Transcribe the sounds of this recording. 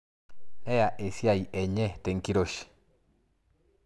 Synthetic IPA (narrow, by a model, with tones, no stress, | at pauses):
ɛ˦ja˨ʔe˨sja˦˨jʔɛ˨ɲɛ˦t̪e˨ŋki˦ɾo˦ʃ